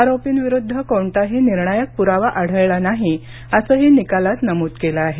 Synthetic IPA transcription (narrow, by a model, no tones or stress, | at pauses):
aɾopiːnʋiɾud̪ʱːəkoɳʈaɦiniɾɳajək̚puɾaʋaʔaɽ̤əjlanaɦi | əsəːɦinikalat̪nəmuːt̪kelaaɦe